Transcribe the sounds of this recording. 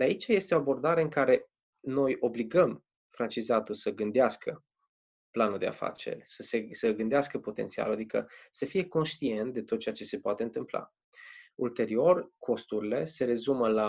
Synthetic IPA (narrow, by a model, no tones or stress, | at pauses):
d̪eait͡ʃaje̞st̪eo̞abo̞rd̪aɾe̞ɨŋkaɾe̞ | no̞jʔo̞bliɡəm | fɾant͡ʃizat̪ulsəɡɨnd̪easkə | planuld̪e̞̰a̰fa̰t͡ʃḛrʲsəsesəɡɨnd̪easkəpo̞t̪e̞nt̪sia̰lad̪ikə̰səfije̞ko̞nʃt̪ie̞nt̪̚d̪e̞t̪ot̪̚t͡ʃeat͡ʃe̞se̞poat̪e̞ɨnt̪ɨmpla̰ | ult̪e̞ɾio̞rkʰo̞st̪uɾile̞se̞ɾe̞zuməla